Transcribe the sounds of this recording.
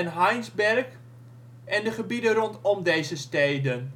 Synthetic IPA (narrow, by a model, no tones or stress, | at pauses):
ɛnɦajnzbɛrk | ʔɛndəχəbidərɔntɔmdejzəstejdən